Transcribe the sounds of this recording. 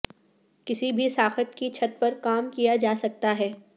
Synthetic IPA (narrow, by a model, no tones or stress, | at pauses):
kɪsibʱisaːxət̪kit͡ʃʰɐt̪̚pɐɾkaːmkijad͡ʒaːsɐk̚t̪aɦɛː